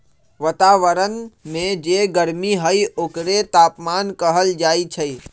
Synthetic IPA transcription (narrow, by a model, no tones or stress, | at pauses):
ʋət̪aːʋəɾənmẽd͡ʒeɡəɾmiɦəiʔoːkɾet̪aːpmaːnkəɦəld͡ʒaːit͡ʃʰəi